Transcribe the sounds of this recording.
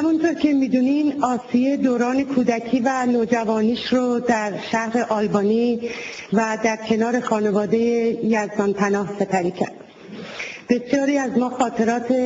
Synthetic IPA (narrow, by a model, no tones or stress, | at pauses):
hæmunt̪ʰoɾcʰe̞miːd̪uninɒːsijed̪oːɾɒːne̞kʰuːd̪æcʰiːvænoːd͡ʒævɒːniːʃɾod̪æɾʃæhɾe̞ʔɒːlbɒːni | væd̪æɾcʰe̞nɒːɾe̞xɒːne̞vɒːd̪e̞jejæzd̪ɒnpʰænɒːhse̞pʰæɾiːcʰæ̰ɾd̪̥ | b̥e̞sjɒːɾiːæzmɒːxɒːt̪ʰe̞ɾɒːt̪ʰe